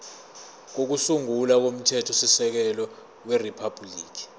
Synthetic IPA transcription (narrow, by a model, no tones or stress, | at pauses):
k̬ok̬usuŋulak̬om̩tʰɛtʰɔsisɛk̬ɛlɔ | weripʰab̥ʱliːk̬i̥